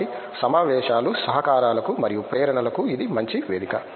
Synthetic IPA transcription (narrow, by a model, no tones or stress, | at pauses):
i | sɐmaːʋɛːʃaːlusɐɦɐkaːɾaːlɐkumɐɾijupɾɛːɾɐɳɐlɐkuid̪imɐɲt͡ʃiʋeːd̪ikɐ